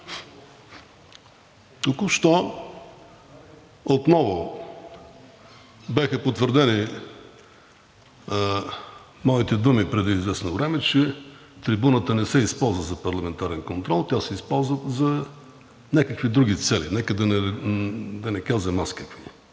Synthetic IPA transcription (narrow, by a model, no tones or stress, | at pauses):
t̪ukʊfʃt̪ɔ | ot̪nɔvʊ | bɛxəpot̪vəɾd̪ɛni | mɔit̪ɛd̪umipɾɛd̪iizvɛsnovɾɛmɛt͡ʃɛ | t̪ɾibunət̪ənɛsɛispɔlˠzvəzɐpɐɾlˠɐmɛnt̪aɾɛnkont̪ɾɔlˠt̪ʲjasɛispɔlˠzvət̪zɐ | nʲakəkvid̪ɾuɡit̪sɛlinɛkəd̪ɐnɛ | d̪ɐnɛkazɛmaskəkvi